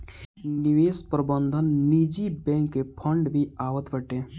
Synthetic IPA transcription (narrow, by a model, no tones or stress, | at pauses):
nɪʋeːspɾəbə̃nd̪ʱənːiːd͡ʒibɛ̃ːŋkːepʰəɳɖbʱiaːʋət̪bəʈẽː